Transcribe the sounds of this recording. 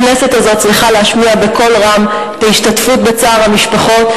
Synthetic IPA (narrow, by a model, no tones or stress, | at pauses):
nese̞tazo̞t̚t͡sʁiχaleaʃmiabe̞ko̞lʁam | et̪aiʃtatfutbe̞t͡saːʁhamiʃpaχo̞t